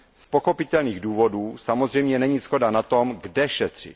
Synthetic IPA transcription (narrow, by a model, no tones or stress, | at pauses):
spoxo̞pɪt̪ɛlniːɣduːvo̞duːsamozrɛjmɲɛnɛɲiːsxo̞danat̪o̞mɡdɛʃɛt̪r̝̥ɪ̰t̪